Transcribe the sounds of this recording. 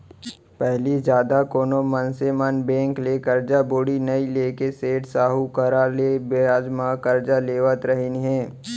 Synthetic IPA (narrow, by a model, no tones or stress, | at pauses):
pɛɦlizjaːd̪akoːnomənsemɐnbɛ̃ːŋklekɐɾd͡ʒaboːɽinɐileːkeseːʈsaːɦukəɾaːlebeaːd͡ʒmãkɐɾd͡ʒaleːʋət̪ɾəɦiniɦɛ̃ː